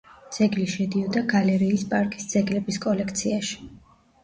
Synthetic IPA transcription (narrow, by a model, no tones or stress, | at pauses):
d̪z̥ɛɡliʃɛd̪iɔd̪aɡalɛɾiːspʼaɾkʼisd̪z̥ɛɡlɛbiskʼɔlɛkʰt̪sʰiaʃi̥